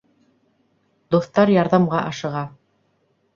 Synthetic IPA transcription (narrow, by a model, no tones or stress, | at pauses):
d̪uθt̪ɑɾjɑɾðɑmʁɑʔɑʃɤ̆ʁɑ